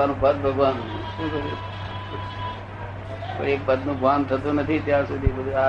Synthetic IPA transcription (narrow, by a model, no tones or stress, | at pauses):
anũpəd̪̚bʱəɡʋanʃũk̪əu | ko̰iek̚pəd̪nũɡʋant̪ʰət̪ũnət̪ʰit̪jaɾsud̪ʱibəd̪ʱua